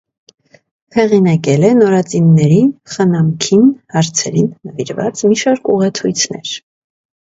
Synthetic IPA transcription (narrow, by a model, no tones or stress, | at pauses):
hɛʁinɑkɛlɛnɔɾɑt͡sinːɛɾinχənɑmkʰinhɑɾt͡sʰɛɾinːəviɾvɑ̰t͡smiʃɑɾkʰuʁɛt͡sʰujt͡sʰnɛ̰ɾ